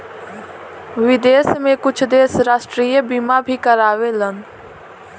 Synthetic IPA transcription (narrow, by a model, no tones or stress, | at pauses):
ʋɪd̪eːsmẽkʊt͡ʃʰd̪eːsɾaːsʈɾiːjəbimabʱiːkəɾaːʋeːlən